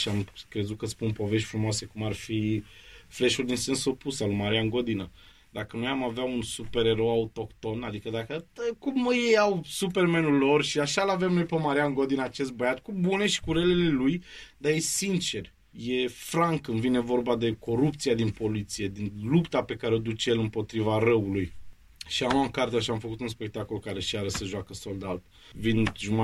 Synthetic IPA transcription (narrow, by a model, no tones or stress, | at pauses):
ʃiamkɾe̞zut̪̚kəspunpo̞ve̞ʃ̬t̪ʲfɾumoase̞kumarfi | fle̞ʃuld̪insensupusalumaɾianɡo̞d̪inə | d̪akənujamaveaunsupe̞ɾe̞ɾo̞aut̪o̞kt̪o̞nad̪ikəd̪akəəkumjejawsupe̞rmenulo̞rʃiaʃalave̞mnojpemaɾianɡo̞d̪inəat͡ʃe̞st̪̚bəjat̪kubune̞ʃi̥kuɾelele̞lujd̪ajesint͡ʃe̞r | je̞fɾaŋkːɨnvine̞vo̞rbad̪e̞kʰo̞ɾup̚t̪sijad̪inpo̞lit̪sije̞d̪inlupt̪ape̞kaɾeod̪ut͡ʃejelɨmpo̞t̪ɾivaɾəuluj | ʃiamlakart̪eaʃiamfəkut̪unspe̞k̚t̪ako̞lkaɾe̞ʃaɾəsəʒoakəso̞ld̪alt̪ | vinʒuma